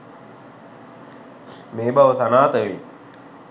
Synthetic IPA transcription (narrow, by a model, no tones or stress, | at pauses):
meːbaʋəsanaːt̪əʋi